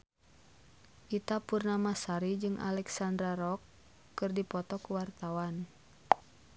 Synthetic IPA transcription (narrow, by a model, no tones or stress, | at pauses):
ʔit̪apurnamasaɾid͡ʒɨŋʔa̰lɛksandɾaɾɔkː | ɨrdipɔt̪ɔkuwart̪awan